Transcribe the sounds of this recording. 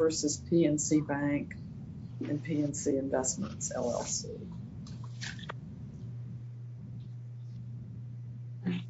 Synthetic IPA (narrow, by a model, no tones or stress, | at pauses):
ɜ˞sɨz̥pʰiɛ̃nsibæ̃ŋk | ɨ̃npʰiɛ̃nsiɨ̃ɱvɛsmə̰̃ntsɛ̰lˠɛ̰sḭ